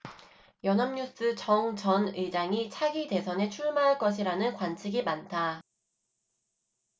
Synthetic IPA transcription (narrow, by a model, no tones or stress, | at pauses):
jʌnɦamɲus͈ɯt͡ɕʌŋt͡ɕʌnɯd͡ʑaŋit͡ɕʰaɡide̞sʰʌne̞t͡ɕʰuɭmaɦaɭk͈ʌɕ̬ʰiɾanɯnkwant͡ɕʰiɡimantʰa